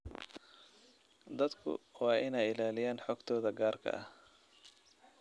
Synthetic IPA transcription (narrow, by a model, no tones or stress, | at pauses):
d̪ɐd̪kʰʊ̰wɑːʔɪnɛjɪlaːlɪjaːnħɔːɡt̪ʰɔːðɐɡaːrkʰɐ̰ʔɐh